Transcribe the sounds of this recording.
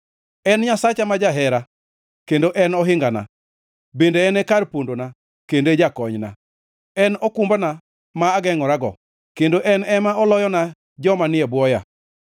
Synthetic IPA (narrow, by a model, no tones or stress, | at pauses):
ɛnɲasat͡ʃamad͡ʒaɦɛɾa | kendoʔɛnɔɦɪŋɡana̰ | bendeɛnɛkarpondona | kended͡ʒakɔɲna̰ | ɛnɔkumbana | maːɡɛŋɔɾaɡɔ̰ | kendoʔɛnɛmaɔlɔjɔna | d͡ʒɔmanɪɛbwɔja